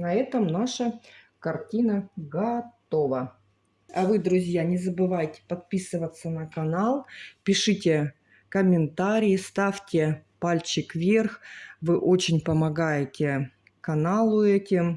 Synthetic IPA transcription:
nɐɛt̪əmnaʂə | kɐrtʲinəɡɐt̪ovə | ɐvɨd̪ɾʊzʲjanʲɪzəbɨvajtʲɪ̥pɐt̪̚pʲisɨvət̪sːənəkɐnalˠpʲɪʂɨtʲɪ | kəmʲɪnt̪aɾʲɪjɪst̪afʲtʲɪpalʲt͡ɕɪkvʲerxvɨʔot͡ɕɪnʲpəmɐɡajɪtʲɪ | kɐnalˠʊɛtʲɪm

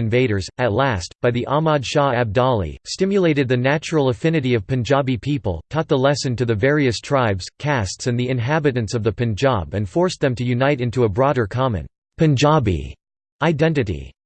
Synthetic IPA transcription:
ɨ̃ɱveɪɾə˞zɨtˡlæstb̥aɪðiʔɑmɑdʃɑæb̚dɑlˠḭstɪ̃mjɨleɪɾɨd̪̚ðɨnæt͡ʃɹl̩ˠəfɪ̃nɨɾiʌv̥pʰɨ̃nd͡ʒɑbipʰipl̩ˠkʰɑt̪̚ðəlɛsɨ̃ntɨðɨvɛɹiɨstʰɹ̥aɪbz̥kʰæstsɨ̃nðiɨ̃nɦæbɨɾɨ̃nsʌvðɨpʰɨ̃nd͡ʒɑ̰bɨ̃nfɔɹsðɨ̃mtʰɨjʉnaɪɾɪ̃ntuəbɹɔɾə˞kʰɑmɨ̰̃n | pʰɨ̃nd͡ʒɑbḭ | aɪdɛ̃ntɨɾḭ

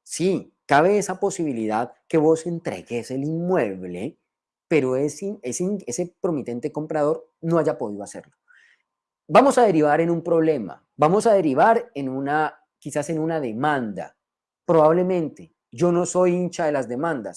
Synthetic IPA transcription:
si | kaβe̞esapo̞siβiliðaðke̞βo̞se̞nt̪ɾe̞̰ɣe̞se̞linmwe̞βle̞̰ | pe̞ɾo̞esiese̞se̞pɾo̞mit̪e̞nt̪e̞ko̞mpɾað̞o̞ɾno̞aʝapo̞ð̞iðoase̞̰ɾlo̞ | bamo̞saðe̞ɾiβ̞aɾe̞numpɾo̞βle̞ma̰ | bamo̞sað̞e̞ɾiβaɾe̞nuna | kisase̞nunaðe̞mãnd̪a̰ | pɾo̞βaβle̞mẽ̞nt̪e | d͡ʒo̞no̞so̞jint͡ʃaðe̞lazd̪e̞mãnd̪a̰s

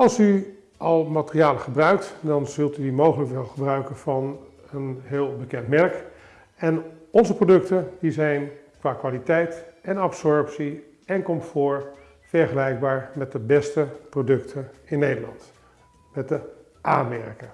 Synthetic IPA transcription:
ɑlˠsy | ʔɑlˠmatərijaːləχəbrœɥk̚tdɑnzɵlˠtydimowχələkʋɛlˠχəbrœɥkənvɑn | ənɦɪːlˠbəkɛntmɛrk | ɛnɔnzəprodɵktəndizɛjnkʋaːkʋaːlitɛjtɛnɑpsɔɹpsi | ɛnkɔmtfʊːɹ | v̥ɛɹχəlɛjɡ̚baːɹmɛt̚dəbɛstəprodɵktʰənɪnːejdəlɑ̰nt | mɛt̚də | ʔaːnmɛɹkə

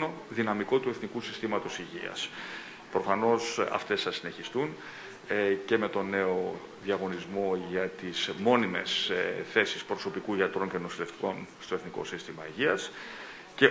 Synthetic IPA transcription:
o̞ | ðinɐmiko̞t̪ue̞θnikusist̪imɐt̪o̞siʝiɐ̰s | pɾo̞fɐno̞sɐ̰ft̪e̞sθɐsine̞çist̪un | ce̞me̞t̪o̞ne̞o̞ | ðiɐɣo̞nizmo̞ʝɐt̪ismo̞nime̞̰sθe̞si̥spɾoso̞pikuiɐt̪ɾo̞ɲcenosile̞ft̪i̥ko̞nst̪o̞eθniko̞̰sist̪imɐiʝiɐs | ce̞

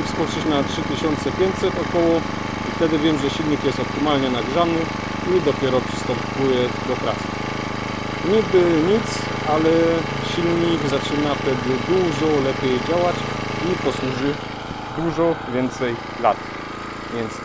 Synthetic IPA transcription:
fspɔtʂɛt͡ɕnatʂɘt̪ɘɕɔnt̪sɛpʲjɛnt̪ʲsɛt̪ɔkɔwɔ | ift̪ɛd̪ɘvʲjɛmʐɛɕilɲikjɛst̪ɔp̚t̪ɪmalɲɛnaɡuʐanɘ | id̪ɔpʲjɛɾɔpʂɘ̥st̪ɔmpujɛd̪ɔpɾa̰s | ɲiɡbɘɲit̪s | alɛ | ɕilɲikzat͡ʂɘnaft̪ɛd̪ɘd̪uʐɔlɛpʲjɛjd͡ʑawat͡ɕipɔswuʐɘ | d̪uʐɔvʲjɛnt̪sɛj | lat̪ | vʲjɛnt̪s

